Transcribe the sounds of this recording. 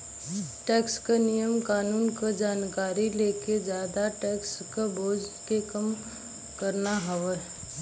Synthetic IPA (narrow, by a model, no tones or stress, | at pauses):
ʈɛːkskanijəmkaːnuːnkad͡ʒaːnkaːɾileːked͡ʒjaːd̪aʈɛːkskaboːd͡ʒkekəm | kəɾnaɦəʋə